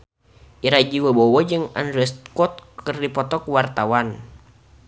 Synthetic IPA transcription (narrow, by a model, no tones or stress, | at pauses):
ʔiɾad͡ʒiwɔbɔwɔd͡ʒɨŋa̰nɾɛst̪̚kɔt̪̚kərdipɔt̪ɔkwart̪awan